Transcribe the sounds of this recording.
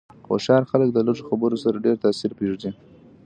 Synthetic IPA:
xo̰ʃɑɾxalək̚d̪əloʐoxabəɾosaɾaɖeɾt̪ɑsiɾpeʐd̪i

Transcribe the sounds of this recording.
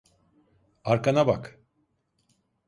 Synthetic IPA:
aɾkanabak

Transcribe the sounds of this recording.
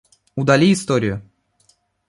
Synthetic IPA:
ud̪ɐlʲiːst̪oɾʲɪjʊ

